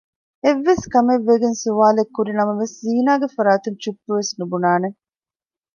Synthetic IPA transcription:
eʋːeskɐmeʋːeɡensuʋaːlekːuɾinɐmɐʋesziːnaːɡefɐɾaːt̪uɲt͡ʃupːuʋesnubunaːne

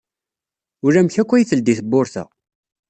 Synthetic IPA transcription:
ʊɾæmçækʷːæjiθəld̪iθəbːʊɾθæ̰

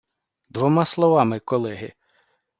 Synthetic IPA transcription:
d̪ʋɔmɑslˠɔʋɑmɪkɔlˠɛɦɪ

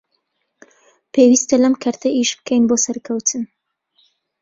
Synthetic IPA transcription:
pʰewist̪ɐlɐmkʰɐɾt̪ʰɐʔiʃb̥ɨ̥kʰejnboːsɐɾkʰɐwt̪ʰɨn

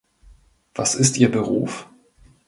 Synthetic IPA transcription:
v̥asɪstʔiːɐbəʁṵːf

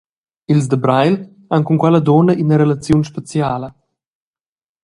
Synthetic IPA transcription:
ilz̬d̪əbɾajl | aŋkuŋkwɛləd̪ɔnɐʔinəɾelat͡sjunʃpat͡sjaːlə

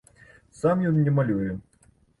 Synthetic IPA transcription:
samjɔnnʲɛmalʲujʊ

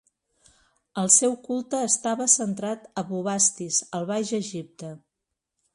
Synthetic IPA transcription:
əlˠsɛwkulˠt̪əːst̪aβəsənt̪ɾat̪əβuβast̪izəlˠβajʒəʒip̚t̪ə

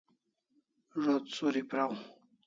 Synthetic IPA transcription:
ʐot̪soɾipɾaw̃

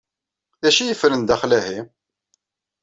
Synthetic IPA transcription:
æʃijəfɾənd̪æχlæhi

